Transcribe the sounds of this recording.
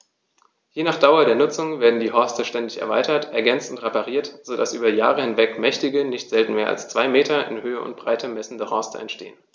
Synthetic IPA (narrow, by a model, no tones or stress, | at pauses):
jeːnaːχd̥aʊɐdeːɐnʊt͡sʊŋveːɐdn̩diːɦɔɐstəʃtɛndɪçɛ̰ɐva̰ɪtɐtʔɛɐɡɛnt͡sn̩tʁepaʁiːɐtz̥odasʔyːbɐja̰ːʁəhɪnvɛkmɛçtɪɡənɪçtz̥ɛltn̩meːɐʔa̰lst͡sv̥aɪmeːtɐʔɪ̰nhøːəʔʊ̰nt̚b̥ʁaɪtʰəmɛsn̩dəhɔɐstʰə̰ɛntʃtḛːən